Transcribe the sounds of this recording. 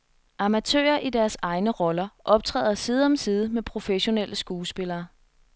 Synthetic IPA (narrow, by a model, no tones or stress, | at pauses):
ʔɑ̈mæt͡sʰø̰ːɐʔid̥æɐsɑ̈ɪnəʁɒ̽lɐʔɒ̽b̥̚t͡sʰʁɛ̰ːðˠɐsiːð̞ˠɒ̽msiːð̞ˠəmepʰʁo̝feɕo̝nelʔəsɡ̥uːsb̥e̝lɐː